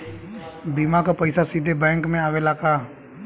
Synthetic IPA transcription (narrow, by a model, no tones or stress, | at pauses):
biːmãkapəɪsasiːd̪ʱebɛ̃ːŋkmẽaːʋelaːkaː